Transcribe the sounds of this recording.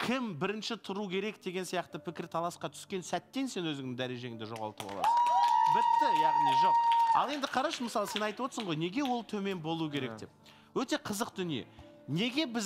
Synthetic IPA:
kʲʰɪmbɪɾɪnʃɪt̪ʰʊɾukʲʰe̞ɾe̞kd̪e̞ɡʲe̞nsijɑqt̪əpʰɪkʲɪɾt̪ʰɑlˠɑsqɑt̪ʰʏ̥skʲe̞nsæt̪ːe̞nse̞nwɵzɪŋd̪ɪŋd̪æɾe̞ʒe̞ɪŋd̪ɪʒo̞ʁɑ̰lˠt̪əbɑ̰lˠɑ̰sənbɪt̪ːɪjɑʁnijʒo̞q̚ɑ̰lˠe̞nd̪ɪqʰɑɾɑʃəməsɑlˠəse̞nɑjt̪əwoəsəɴʁo̞jne̞ɡʲe̞wo̞lˠt̪ʰɵme̞nbo̞lˠuəkʲʰe̞ɾe̞k̚d̪e̞p̚ | wɵt̪e̞qʰəzəqd̪ʏnijḛ | ne̞ɡʲe̞bɪz

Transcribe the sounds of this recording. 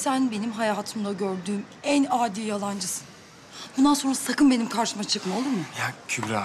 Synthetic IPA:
sænbe̞nimɦajaːɦat̪ʰɯmd̪ˠaɟøɾd̪yːm | ænaːd̪iːjalˠand͡ʒɯsɯ̥n | bund̪ansonɾasakɯnbe̞nimkʰaɾʃɯmat͡ʃʰɯkmalˠɯmɯjacʰybɾa

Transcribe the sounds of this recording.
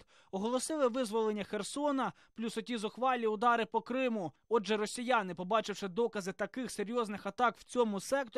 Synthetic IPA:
ɔɦɔlˠɔsɪlˠɪʋɪzʋɔlˠenʲːɐxersɔnɐ | plʲusɔtʲizʊxʋɑlʲiʊd̪ɑɾɪpɔkɾɪmʊ | ɔʒɛɾɔsʲijanɪpɔbɑt͡ʃɪwʃɪd̪ɔkɐzɪt̪ɐkɪxseɾʲjɔznɪxɐt̪ɑkwt͡sʲɔmʊsɛk̚t̪ɔ

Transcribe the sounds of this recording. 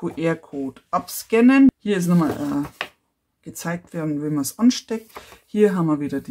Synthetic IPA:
kʰuʔeːɐkʰoːtʔɑpskɛnənhiːɐɪs̬nɔma̰lʔɛ | ɡ̥ət͡saɪk̚tvɔɐdn̩ʋɛmɐsʔɑnʃtɛk̚thiːɐɦamɐʋiːdɐdi

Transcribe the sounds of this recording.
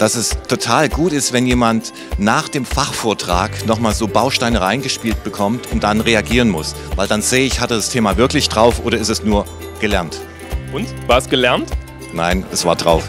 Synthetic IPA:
d̥asɛstʰotʰaːlɡuːtɪstv̥ɛnjeːmant | naːχd̥eːmfaχfoːɐtʁ̥aːknɔχmaːlzoːbaʊʃtaɪnəʁaɪnɡəʃpiːlt̚b̥əkʰɔmtʰʊnt̚d̥anʁeaɡiːʁ̞ənmʊs | vaɪldanz̥eːəɪçhatəd̥astʰeːmavɪɐklɪçd̥ʁaʊfʔoːɾɐɪstɛsnuːɐ | ɡ̥əlɛɐnt | ʔʊntvaːɐsɡ̥əlɛɐnt | naɪnɛsv̥aːɐdʁaʊf

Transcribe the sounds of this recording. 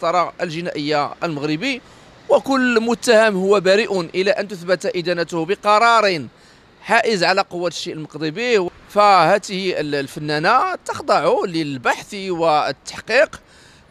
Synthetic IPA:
t̪ɑɾˤɑəlʒənæʔəjːaʔəlməɣɾəbi | wəkʊlːmʊt̪ːæhəmhʊwːæbæɾiʔʊnʔəlæʔənt̪ʊθbæt̪ʔid̪ænæt̪ʊhbəqɑɾˤɑɾˤin | ħaʔəzʕalæqʊwːæt̪ʃːiʔlməqd̪ˤibiw | fæhæt̪əhiəllfənːænat̪əxd̪ˤɑʕuləlbaħθiwət̪ːḁħqiq

